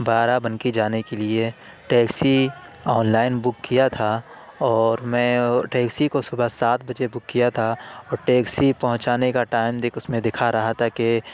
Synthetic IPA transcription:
baːɾabɐnkid͡ʒaːnekelie | ʈeːksi | ɔːnlaːɪnbʊkːijat̪ʰa | ɔːɾmɛ̃ːʈeːksikosʊbəsaːt̪̚bɐd͡ʒebʊkːijat̪ʰaɔːɾʈeːksipɐɦʊ̃t͡ʃaːnekaʈaːɪmd̪ekʰʊsmẽd̪ɪkʰaɾɐɦat̪ʰake

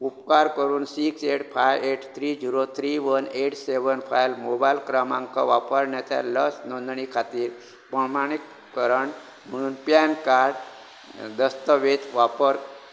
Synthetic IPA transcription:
upkaɾkəɾuːnsiːkseʈfʰajeʈt̪ʰɾiːd͡ʑiɾot̪ʰɾiʋəneʈseʋənfʰajlmobajlkɾamãŋka̰ʋapəɾnjat̪a̰ləsnɔ̃nd̪ɳikʰat̪iːɾ | pɾəmaɽ̃ik | kəɾəɳ | m̤əɽ̃uːnpjankaɾɖ | d̪əst̪əʋet̪ʋapəɾ

